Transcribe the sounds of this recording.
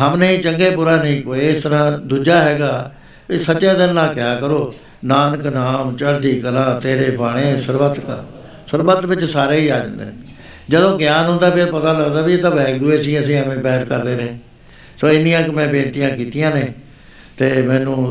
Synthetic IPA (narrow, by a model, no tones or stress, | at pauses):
ɦəmnəĩːt͡ʃəŋɡeːpuːɾaːnəɦĩːkoːeːɪst̪əɾãːd̪uːd͡ʒaːɦɛːɡaː | iːsəʃãːd̪ɪnnãːkɪjaːkəɾoː | naːnəknaːmt͡ʃəɽd̪iːkəlaːt̪eːɾeːpaːɽ̃ẽːsəɾbət̪ka̰ | səɾbət̪ʋɪt͡ʃsaːɾeːiːaːd͡ʒə̰̃nd̪ḛː | d͡ʒəd̪õːɡɪjaːnɦʊ̃nd̪aːpʰeɾpət̪aːləɡd̪aːbiːt̪ãːbɛːkd̪ʊeːs̬ĩːəsĩːəmẽːpɛːɾkəɾd̪eːɾẽː | soːɪnĩːãːkɪmɛ̃ːbẽːnt̪ijãːkiːt̪ijãːneː | t̪eːmɛ̃ːnũː